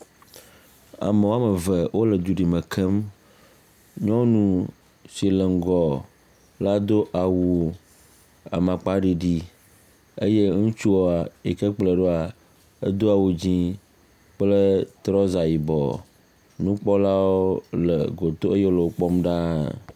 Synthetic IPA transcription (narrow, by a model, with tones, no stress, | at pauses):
a̰˨me˨wo˦a˦mə˨və˨wo˦lə˨d̪u˨ɖi˨mə̃˨kʰə˦m | ɲɔ̃˦nũ˦ | si˨lə˨ŋ̩˦ɡɔ˨ | la˦d̪o˦ʔa˨wu˨ | a̰˨mã˨k͡pa˦ɖi˨ɖi˦ | e˦je˦ŋũ˦t͡ʃu˦o˦˨a˨e˨kə˦k͡plə˨ɖo˦a˨ | ə̰˦d̪o˦a˨wo˨d͡ʑĩ˦ | k͡plə˦t̪ɾɔ˦za˨ji˨bɔ̰˨ | nũ˦k͡pɔ˦la˦wo˦lə̰˨ɡo˨t̪o˦e˦je˦wo˦lə˨wo˦k͡pɔ˦mɖa˦